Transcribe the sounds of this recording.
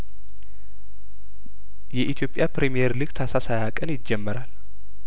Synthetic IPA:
jɛʔit̪ʰjo̞pʼjapɾemijeɾlɨɡt̪ʰasasajakʼənjɪd͡ʒːɛmːəɾal

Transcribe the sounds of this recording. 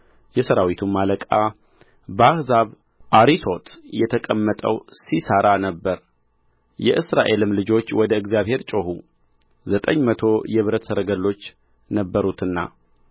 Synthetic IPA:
jɛsəɾawit̪ʰumːaləkʼa | bəahzaβ | ʔaɾiso̞t̪jɛt̪ʰəkʼəmːət̪ʼəwsisəɾanəbːəɾ | jɛ̰ʔɨsɾaʔe̞lɨmlɨd͡ʒo̞t͡ʃːwɔd̪əɨɡzjaβhe̞ɾt͡ʃʼoɦu | zət̪ʼəɲːmət̪ʰo̞jɛβɨɾət̪səɾəɡəlːo̞t͡ʃː | nəbːəɾut̪ʰɨnːa̰

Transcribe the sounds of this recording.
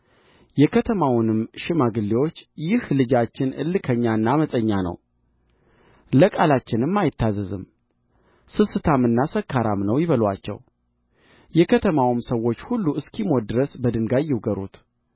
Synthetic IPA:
jɛkʰət̪ʰəmawnɨmʃɪmaɡɨlːewo̞t͡ʃːjɪhlɨd͡ʒat͡ʃːɪnɨ̰lːɨkʰəɲːanːaməsʼəɲːanə̰w | ləkʼalat͡ʃːɪnɨmːajɪt̪ːazɨzɨm | sɨsɨt̪ʰamɨnːasəkʰːaɾamnəwjɪβəlwa̰t͡ʃːɛ̰w | jɛkʰət̪ʰəmawɨmsəwːo̞t͡ʃːhulːuɨskʰimo̞d̪ɨɾəsbəd̪ɨnɡajɛwɡəɾṵt̪

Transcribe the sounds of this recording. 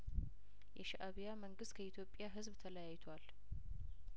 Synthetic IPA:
jʔɛʃaʔaβijaməŋɡɨst̪̚kʰəit̪ʰjo̞pʼːjaɦɨzβt̪ʰələjajt̪ʰwal

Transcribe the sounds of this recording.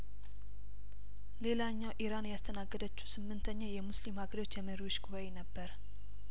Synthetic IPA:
le̞laɲːawʔiɾanjast̪ʰənaɡːəd̪ət͡ʃːu̥sɨmːɨnt̪ʰəɲːawjɛmuslimhaɡəɾiwot͡ʃːjɛməɾiwuʃɡuβaenəbːəɾ

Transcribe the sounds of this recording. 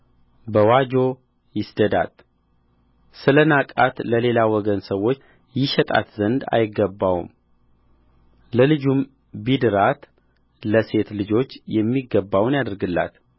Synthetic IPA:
bəwad͡ʒo̞ | jɪsd̪əd̪a̰t̪ʼ | sɨlənakʼat̪ləle̞lawɔɡənsəwo̞t͡ʃː | jɪʃɛt̪ʼa̰t̪zənd̪a̰jɪɡːəbːawṵm | ləlɨd͡ʒum | bid̪ɨɾat̪ | ləse̞t̪lɨd͡ʒo̞t͡ʃːjɛmːiɡːəbːawnjad̪ɾɡɨlːa̰t̪

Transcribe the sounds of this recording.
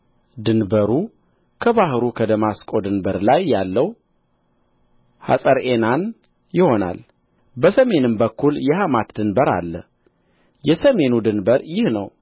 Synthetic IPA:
d̪ɨnbəɾu | kʰəβaɦɨɾukʰəd̪əmaskʼo̞d̪ɨnbəɾlajːalːəw | ha̰sʼəɾenan | jɪho̞na̰l | bəsəme̞nɨmbəkʰːuljɛhamat̪d̪ɨnbəɾa̰lːə̰ | jɛsəme̞nud̪ɨnbəɾjɪhnəw

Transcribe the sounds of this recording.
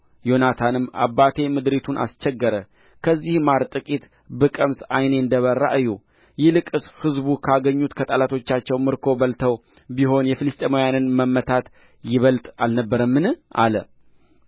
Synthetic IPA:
jo̞nat̪ʰanɨmːa̰bːat̪ʰe̞mɨd̪ɾet̪ʰunʔa̰st͡ʃɛɡːəɾə | kʰəzːihmaɾt̪ʼɨkʼit̪ | bɨkʼəmsajneɨnd̪əβərːa̰ʔɨju | jɪlɨkʼɨshɨzbukʰaɡəɲːut̪kʰət̪ʼəlat̪ʰo̞t͡ʃːat͡ʃːɛwmɨɾkʰo̞bəlt̪ʰəw | biɦo̞njɛfɨlɨst̪ʼemojanɨnməmːət̪ʰat̪ | jɪβəlt̪ʼalnəbːəɾəmːɨnɨʔa̰lə̰

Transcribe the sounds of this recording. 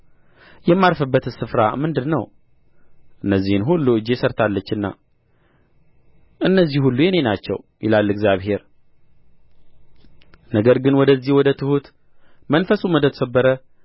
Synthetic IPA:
jɛmːaɾfɨbːət̪ɨnsɨfɾa̰mɨnd̪ɨnəw | ʔɨnːəzːihɨnɦulːuɨd͡ʒːe̞səɾt̪ʰalːət͡ʃːɨnːa̰ | ʔɨnːəzːihhulːujɛne̞nat͡ʃːɛ̰wjʔɪ̰lalːɨɡzjaβhe̞ɾ | nəɡəɾɡɨnwɔd̪əzːihwɔd̪ət̪ʰɨhut̪ | mənfəsuməd̪ət̪səbːəɾə

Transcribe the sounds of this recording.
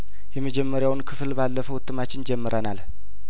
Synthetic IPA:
jɛməd͡ʒɛmːəɾjawnkʰɨflbalːəfəwʊt̪ʰːɨmat͡ʃːɪnd͡ʒɛmːɨɾʔənal

